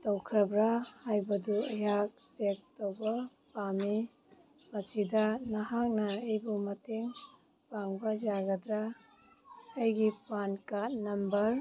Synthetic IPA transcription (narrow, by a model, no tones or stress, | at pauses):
tɔwkʰɾabɾahajbɐduɐjak̚t͡ʃek̚towba | pami | mɐsidanaɦak̚naejbumɐteŋ | paŋbɐd͡ʒaɡɐdɾa | jɡipankat̚nɐmbɐɾ